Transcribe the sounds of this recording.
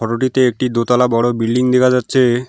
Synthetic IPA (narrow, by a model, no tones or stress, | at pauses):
ɔʈoʈit̪eek̚ʈid̪ot̪alabɔɽobilɖiŋd̪ekʰad͡ʑatːɕʰe